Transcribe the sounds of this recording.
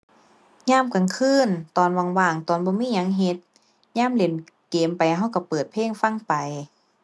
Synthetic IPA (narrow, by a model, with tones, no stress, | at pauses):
ɲaː˧˥˨mka˨ŋkʰɯː˧˥˨nt̪ɔː˨˩nwa˧ŋwaː˧˩ŋt̪ɔː˨˧nbɔː˧˦miː˧˥˨ɲa˧˦ŋɦe˧˦t̪̚ | ɲaː˧˥˨mle˨˧˦n | keː˨mpa˨ja˧ɦa˧˩wka˧˩pɤː˨˩t̪̚pʰeː˥˨ŋfa˧˥˨ŋpa˨˩j